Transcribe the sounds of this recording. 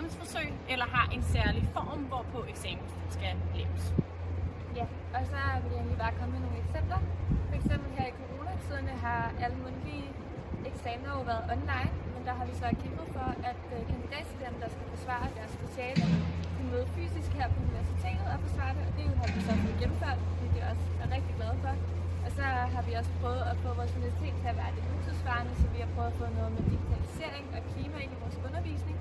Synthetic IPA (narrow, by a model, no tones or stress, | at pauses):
msfɒsøɪ̰elɐɦɑ̈ʔe̝nsæɐlifɒːmʋɒpʰɒ̽eɡ̥sɛ̰ːmn̩sd̥sɡ̥æ̥lḛ̥əs | jæ | ɒ̽sɒ̽ʋe̝le̝nlib̥ɑ̈ːkʰɒ̽məmeno̝ːn̩eɡ̥sem̰b̥d̥ɐfɒ̽eɡ̥sem̰b̥l̩ɦeɐ̰ikʰo̝ʁo̝ːnæt͡sʰiðˠɐnəɦɑ̈ʔæləmonli | eɡ̥sɛːmɐjoʋæːɐðˠɒ̽nlɑ̈ɪnmend̥ɑ̈ɦɑ̈ʋisɒ̽kʰemb̥ð̩ˠfɒ̽ʔæd̥kʰænd̥id̥ḛːt͡sʰed̥emd̥ɑ̈sɡ̥æfɒsʋɑ̰̈ɐd̥æɐsfe̝ɕɛːləd̥imøːð̩ˠfy̰ːsisɡ̥heɐ̰pʰɒ̽uniʋæɐsit͡sʰe̝̰ːd̥ð̩ˠæfɒ̽sʋɑ̰̈ːd̥eɒ̽d̥e̝jɦɑ̈ʋisɒ̽ʋoð̩ˠɡ̥emm̩føɐ̰d̥fɒ̽d̥ḭːd̥eʔɒ̽s | æɐʁɛɡ̥d̥iɡ̥læð̞ˠfɒ̽ | ʔɒ̽sɒ̽ɦɑ̈ʋiɒ̽sə̥pʰʁœːʊð̩ˠæfɔ̰ːʋɒːsmunsit͡sʰe̝̰ːd̥t͡sʰe̝æʋæɐd̥e̝huseðˠsʋɑ̈ːnəsɒ̽ʋihɑ̈pʰʁ̥œːʊðˠɐfɔ̽ːnɔ̽ːð̞̩ˠmed̥iɡ̥it͡sʰælise̝̰ɐ̰eŋɒ̽kʰliːmæeniʋɒːsɔ̽nɐʋḭːsne̝ŋ